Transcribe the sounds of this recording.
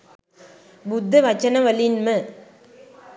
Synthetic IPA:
bʊd̪ːɐʋɐt͡ʃːɐnɐʋɐlinmɐ

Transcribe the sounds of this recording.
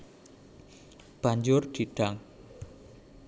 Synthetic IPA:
b̥a̤ɲd͡ʒʊrd̪̥iɖ̥aŋ

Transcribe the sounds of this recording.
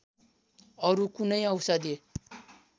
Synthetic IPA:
ʌɾukunʌjʌwsʌd̪e

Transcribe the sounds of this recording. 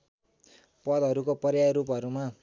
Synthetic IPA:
pʌd̪ʱʌɾukopʌrjaɾupʌɾuma

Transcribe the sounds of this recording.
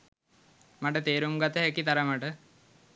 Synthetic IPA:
maʈət̪eːɾumɡat̪ːeɦekːit̪ɐɾɐmaʈə

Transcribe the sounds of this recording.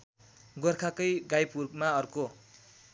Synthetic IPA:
ɡʌrkʰakʌjɡajpurmaʌrko

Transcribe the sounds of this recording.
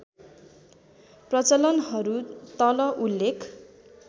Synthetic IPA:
prʌt͡sʌlʌnɦʌɾut̪ʌlʌʔulːekʰ

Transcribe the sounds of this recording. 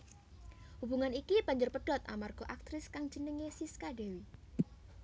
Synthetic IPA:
hub̥uŋanikib̥aɲd͡ʒʊrpəɖ̥ɔt̪a̰marɡ̥ɔ̤ʔak̚t̪ɾɪskaŋ̥d͡ʒənəŋesiskaɖewi

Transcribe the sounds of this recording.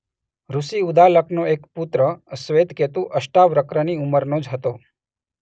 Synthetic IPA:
ɾusiud̪aləknoekput̪ɾəəsʋed̪ket̪ũʔəʃʈaʋɾəkɾəniuməɾnõd͡ʒɦət̪o

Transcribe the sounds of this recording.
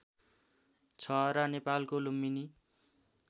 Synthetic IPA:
t͡sʰʌɾʌnepalkolomːini

